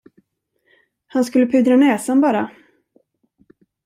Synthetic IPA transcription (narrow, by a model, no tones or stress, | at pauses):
hanskɵlːəpʰʏd̪ɾanɛːsanbɑːɾa